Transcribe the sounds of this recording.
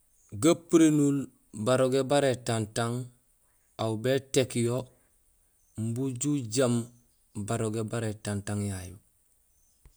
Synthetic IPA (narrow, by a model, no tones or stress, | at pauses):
ɡapiɾenul | baɾoɡebaɾetantaŋ | awbetekjo | mbuɟuɟam | baɾoɡebaɾetantaŋjajṵ